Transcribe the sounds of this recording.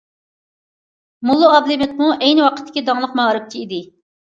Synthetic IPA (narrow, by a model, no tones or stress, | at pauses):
mulˠːuɑblɪmɪt̪̚muʔɛjnɨwɑqʰət̪ʰːɪ̥kʲid̪ɑŋlˠəqmɑɾɨk̚ʲt̪ʰiid̪ɪ